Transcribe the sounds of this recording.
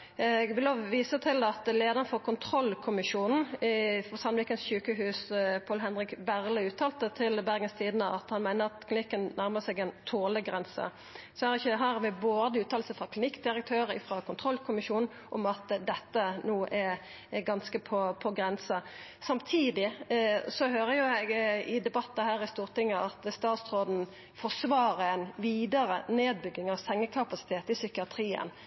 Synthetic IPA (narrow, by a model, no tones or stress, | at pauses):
ɡbɪlɔʋʋiːsət̪ʰɪlɑt̪leːd̪əʁnfɔʁkʰʊnt̪ʰɾɔlːkʰʊmɪʃuːnn̩ɪfɔsɑnʋɪːkənsɕʉːkəɦʉːspʰɑːlɦɛnʁɪkbæʁləʉːt̪ʰːɑːlt̪ət̪ʰɪlbæɾɡənst̪ʰiːd̪nəɑt̪hɑnmæɪnəʁɑt̪kʰlɪnɪkːənnæɾməʁsɛɡɛnt̪ʰoːləɡʁɛnsə̰ | sɔæɾɪçːəɦɑɾʋɪboːd̪əʉːt̪ʰɑːlsəfʁɑkʰlɪnɪkːd̪ɪɾək̚t̪ʰøːɾəɪ̰fɾɑkʰʊnt̪ʰʁɔlkʰʊmɪʃuːnn̩ | ʔɔmɑt̪d̪ɛt̪ːənoːʔɛ | ɡɑnskəpʰɔpʰɔɡɾɛnsə | sɑmt̪ʰiːd̪ɪsɔhøːɾəjʊjæɡɪd̪ɛbɑt̪ːɑhæːʁɪst̪uːʁt̪ɪŋːəʔɑt̪st̪ɑːt̪sʁoːd̪n̩ | fɔsʋɑːɾəɛnʋiːd̪əɾəneːd̪̚bʏɡːɪŋɑʋsɛŋːəkʰɑpɑsɪ̥t̪ʰeːt̪ɪsʏkɪɑt̪ʰɾiːə̰n